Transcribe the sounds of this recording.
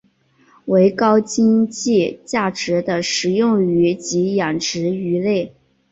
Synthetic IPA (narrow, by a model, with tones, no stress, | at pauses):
we˧˥ɪkɑ˥ʊt͡ɕi˥ŋt͡ɕi˥˩t͡ɕja˥˩ʈ͡ʂɻ̩˨˧˥d̪ə˧ʂɻ̩˨˩jʊ˥˩ŋy˧˥t͡ɕi˧˥jɑ˨˩ŋʈ͡ʂɻ̩˧˥y˧˥le˥˩ɪ